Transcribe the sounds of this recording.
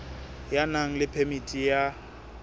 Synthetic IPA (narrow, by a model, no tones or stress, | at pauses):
janaŋ̩lɪpʰɛmitʼija